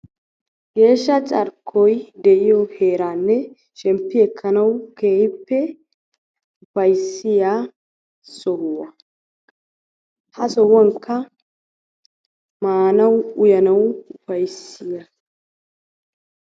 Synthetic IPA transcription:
ɡe̞ːʃːɐt͡sʼɐɾkʰːɔjd̪ɛʔɪjɔheːɾaːnːɛ | ʃɛmpːɪɛkʰːɐnɐwkeːhɪpːɛ | ʊfɐjsɪjaː | sɔhʊwɐ | hɐsɔwɔŋkːɐ | maːnɐwʊjɐnɐwʊfɐjsːɪja

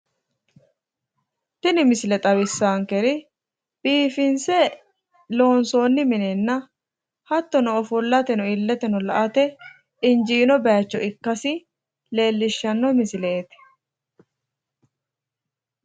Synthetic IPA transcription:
t̪ɪnɪmɪsɪlɛt̪ʼɐwɪsːaːŋkɛɾɪ | b̥iːfɪnsɛ | lo̞ːnso̞ːnːɪmɪnɛnːɐ | hɐt̪ːɔnɔɔfʊlːɐt̪ɛnʊɪlːɛt̪ɛnʊlɐʔɐt̪ɛ | ɪnd͡ʒiːnɔbɛat͡ʃːɔɪkːɐsɪ | le̞ːlːɪʃːɐnːɔmɪsɪlet̪ɪ̥

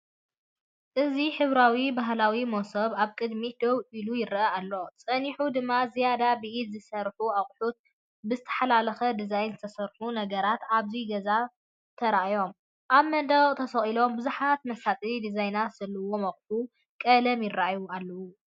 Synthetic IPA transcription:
ʔɨziħɨβɾawibaɦlawimosɐβaβkʼɨd̪mid̪̥oβʔilujɪɾɐalːo̞t͡sʼɐniħud̪ɨmːazijad̪abɨʔit̪zɨsɐɾħuaχʼħut̪̚ | bɨzɨt̪ʰɐ̥ħalalɐxɐd̪izajnzɨt̪ʰɐsɐɾħunɐɡɐɾat̪aβziɡɐza | t̪ʰɐɾaʔjo̞m | ʔaβmɐd̪ɐɣʼt̪ʰɐsɐχʼilo̞mbɨzuħat̪mɐsat̪ʼiid̪izajnasɐlɨwo̞mɐχʼħu | kʼɐlɐmjɪrːaʔjualːɐwu

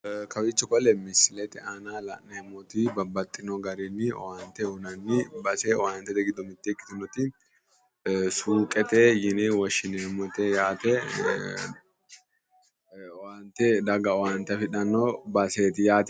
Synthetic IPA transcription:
kɐwɪt͡ʃːɛkɔlɛmɪsɪlɛt̪ɛaːnaːlɐ̰ʔneːmɔt̪ibɐbːɐt̪ʼːɪnoɡɐɾiːnːɪ̰waːnt̪ɛʊnɐnːɪbɐseːwaːnt̪ɛd̪ɛɡɪd̪ɔmɪt̪ːɛkʼːɪ̥t̪ʊnɔt̪ɪ | suːkʼɛt̪eːjɪneːwɐʃːɪnemɔt̪ejaːt̪ɛ | waːnt̪ɛd̪ɐɡɐwaːnt̪ɐfɪᶑɐnːobɐseːt̪ɪjaːt̪

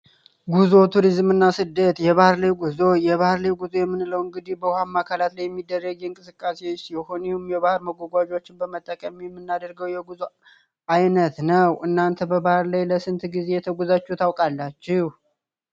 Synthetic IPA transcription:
ɡuzo̞t̪ʰuɾizmɨnːasɨd̪ːət̪jɛβahɾlajɡuzo̞jɛβahɨɾlajɡuzojɛmːɨnləwɨŋɡɨd̪ihbəhamːakʰalat̪lajɛmːid̪ːərːəɡɨŋkʼɨsɨkʼːasesjɛhonihumjɛβahɨɾməɡʷɔɡʷad͡ʒo̞t͡ʃːɪnbəmət̪ʼːəkʼəmijɛmːɨnːad̪əɾɡəwjɛɡuzo | ʔajnət̪nəwʔɨnːant̪ʰəbəbahɨɾlajləsɨnt̪ɡize̞jɛt̪ʰəɡuzat͡ʃːut̪ʰawkʼalːat͡ʃːɪh

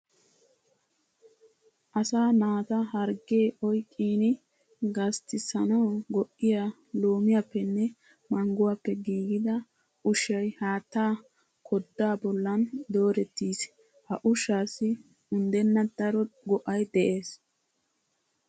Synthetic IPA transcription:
ʔɐsaːnaːt̪ɐhɐɾɡeːʔɔjkʼːiːnɪ | ɡɐst̪ɪsɐnɐwɡɔʔːɪja | loːmɪjapːɛnːɛ | mɐŋɡʊwapːɛɡiːɡɪd̪ɐ | ʊʃɐjhaːt̪ːaː | kʰɔd̪ːaːbɔlːɐnd̪o̞ːɾɛt̪ːiːs | hɐʔʊʃaːsːɪ | ʊnd̪ɛnːɐd̪̥ɐɾɔɡɔʔɐjd̪ɛʔe̞ːs

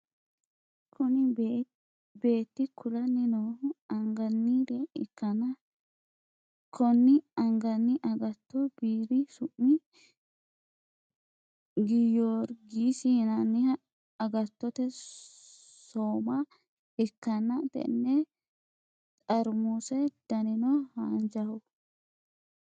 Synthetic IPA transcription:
kʰʊnɪ | be̞ːt̪ːɪkʊlɐnːɪnoːhʊɐŋɡɐnːiɾɛɪkːɐnɐ | kʰɔnːɪɐŋɡɐnːɪʔɐɡɐt̪ːɔb̥iːɾɪsʊʔːɪ | ɡɪjoːɾɡisiːnɐnːɪhɐ | ɐɡɐt̪ːɔt̪ɛ | soːmɐ | ɛkːɐnɐt̪ɛ̰nːɛ | t̪ʼɐɾmusɛd̪̥ɐnɪnɔhaːnd͡ʒɐhɔ

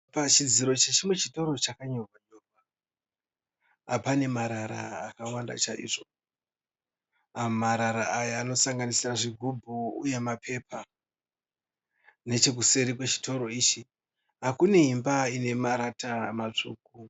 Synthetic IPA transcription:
pat͡ʃid͡ziɾo̞t͡ʃet͡ʃimwe̞t͡ʃito̞ɾo̞t͡ʃakaɲo̞rwaɲo̞rwa | apane̞maɾaɾa̰ːkawanda̰t͡ʃaʔḭːʐo̞ | amaɾaɾaːjaːno̞saŋɡanisiraʐiɡʱubʱuṵje̞mapʰe̞pʰa | ne̞t͡ʃe̞k̬use̞ɾikwet͡ʃi̥to̞ɾo̞iːt͡ʃi | ɦakune̞ɦimbaine̞maɾatamat͡ʂuːku

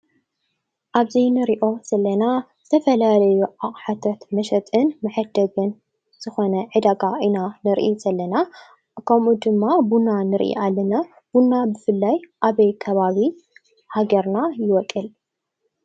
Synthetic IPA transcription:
ʔaβzinɨɾiʔo̞z̥ɐlːɐna | zɨt̪ʰɐfɐlalɐjuʕaqʼħat̪ʰɐt̪mɐʃɐt̪ʼɨnmɐħɨd̪ɐɡɨn | z̥ɨxo̞nɐʕɨd̪aɡaʔinanɨɾʔiz̥ɐlːɐna | kʰɐmud̪ɨmːabunːanɨɾʔḭʔalːɐna | b̥unːabɨfɨlːajʔaβɐjkʰɐβaβi | haɡɐɾnajɪwɔkʼːɨl

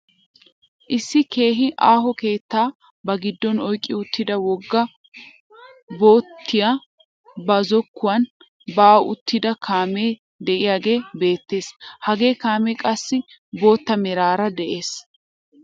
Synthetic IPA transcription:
ʔɪsːɪke̞ːɦɪʔaːɦɔke̞ːt̪ːaː | bɐɡɪd̪ːɔnɔjkʼːɪʊt̪ːɪd̪ɐwɔɡːɐ | bo̞ːt̪ʰːɪja | bɐzɔkːʊwɐn | baːwʊt̪ːɪd̪ɐkʰaːmeː | d̪ɛʔɪjaːɡe̞ːbe̞ːt̪ːe̞ːshɐɡe̞ːkaːmɛkʼɐsːɪ | bo̞ːt̪ːɐmɛɾaːɾɐd̪ɛʔe̞ːs

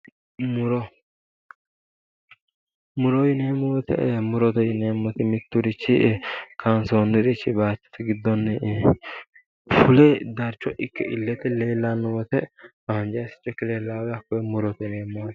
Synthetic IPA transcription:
mʊɾɔ | mʊɾɔjɪneːmːɔwɔt̪ɛ̰mʊɾɔt̪ɔjɪneːmːɔt̪ɪmɪt̪ːʊɾɪt͡ʃːɪkʰɐnsoːnːɪɾɪt͡ʃːɪbaːt͡ʃːɪ̥t̪ɪɡɪd̪ːɔnːɛ | fʊlɛd̪ɐɾt͡ʃːɔʔɪkːɛ̰ʔɪlːɛt̪ɛle̞ːlːanːʊwɔt̪ɛ | ɐhɐnd͡ʒɐjsɪ̥t͡ʃʼːɛkːɪleːlːaːwɛjɐkːɔmʊɾɔt̪ɛneːmːɔwt̪

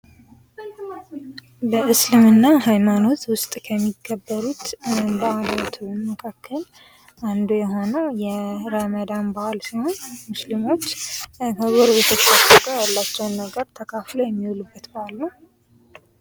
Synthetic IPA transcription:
bəʔɨslɨmɨnːaɦajmano̞t̪wʊst̪ʼkʰəmːiɡːəbːəɾut̪baʔalot̪ʰməkʰakʰːəl | ʔand̪ujɛɦo̞nəwjɛɾəməd̪anbahalsiho̞nmɨslimo̞t͡ʃːəβoɾβet̪ʰət͡ʃʰasət̪əjalːat͡ʃːɛwnːəɡəɾt̪ʰəkʰaflawjɛmːiwlubːət̪baalːəw

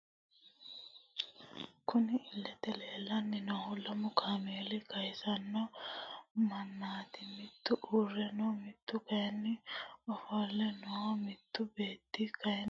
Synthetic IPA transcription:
kʊnɪɪlːɛt̪ɛleːlːɐnːɪnɔhʊlɐmʊkʰaːmeːlɪkɐjsɐnːɔ | mɐnːaːt̪ɪmɪt̪ːʊʔuːrːɛnɔmɪt̪ːʊkɐjɛnːɪɔfoːlːɛnɔwɐmɪt̪ːʊbeːt̪ːikɐjɛ

